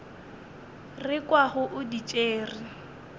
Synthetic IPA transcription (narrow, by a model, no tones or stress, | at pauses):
rɪkʼwaɣʊʔʊdit͡ʃʼeːrɪ